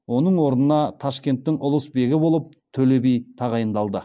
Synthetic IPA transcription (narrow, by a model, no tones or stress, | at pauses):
wo̞nəɴwo̞ɾnənɑt̪ʰɑʃkʲe̞nt̪ːɪŋʊlˠəsbe̞ɡʲɪbo̞lˠəp̚ | t̪ʰɵle̞bejt̪ʰɑʁɑjənd̪ɑlˠd̪ə